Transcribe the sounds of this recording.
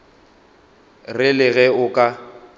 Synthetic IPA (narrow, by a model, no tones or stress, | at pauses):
rɪlɪɣɛʊkʼa